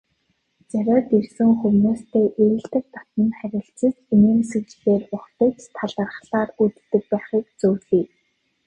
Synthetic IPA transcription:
t͡sæɾʲɔːt̪irsɘ̆ŋxuwnuːst̪ʰeːʔeɾɘ̆ɮt̪ɘ̆k̚t̪ɔ̥t̪ə̆nχæɾʲɪ̆ɬt͡sɘ̆siniːmsɘ̆kt͡ɕɪ̆xeːrʊχt̪ə̆ːkt͡ɕt̪ʰaɮə̆rχsaːrut̪ːɘ̆k̚pæːχiːkt͡suːwɮiː

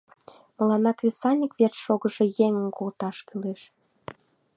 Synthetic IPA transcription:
məlɑnɑkrʲesɑnʲikvertʃoɣəʒejeŋənkolt̪ɑʃkyleʃ

